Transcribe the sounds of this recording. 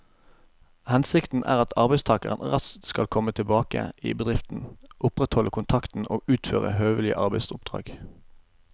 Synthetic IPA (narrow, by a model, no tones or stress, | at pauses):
hɛnsɪkt̪n̩ʔæ̰ːʁɑt̪ʰɑʁbɛɪst̪ʰɑːkəʁə̰nʁɑst̪skɑlkʰɔmət̪ʰɪlbɑːkə̰ʔḭːbəd̪ʁɪft̪n̩ʔʊpʁɛt̪hɔləkʰʊnt̪ʰɑkt̪n̩ʔo̰ːʉːt̪føːʁə̰høːʋəlɪə̰ʔɑʁbɛɪsʊp̚d̪ʁɑ̰ːɡ̥